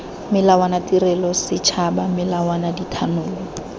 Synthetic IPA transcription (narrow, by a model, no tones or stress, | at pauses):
mɪlawanatirɛlɔsɪt͡ʃʰabamɪlawanaditʰanʊːlɔ